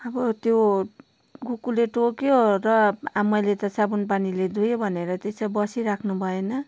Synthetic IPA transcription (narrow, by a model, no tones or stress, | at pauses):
ʌbʌt̪jo | ɡukuleʈokjorʌamʌjlet̪ʌsabunpaniled̪ʱujobʱʌneɾʌt̪et͡sʌbʌsiɾakʰnubʱʌenʌ